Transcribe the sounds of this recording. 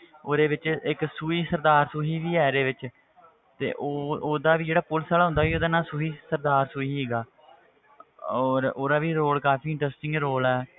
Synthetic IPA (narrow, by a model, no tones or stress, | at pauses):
oːd̪eːʋɪt͡ʃɪksuːiːsəɾd̪aːɾsʊɦiːʋiːɛːɾeːʋɪt͡ʃ | t̪ḛːʔoːoːd̪aːʋiːd͡ʒeːɽaːpʊlsaːlaːɦʊ̃nd̪aːʋiːoːd̪aːnãːsʊɦiːsəɾd̪aːɾsuːiːɦeːɡaː | ɔːɾoːd̪aːʋiːɾoːlkaːpiːɪ̃ɳʈɾəsʈɪ̃ŋɡɾoːlɛː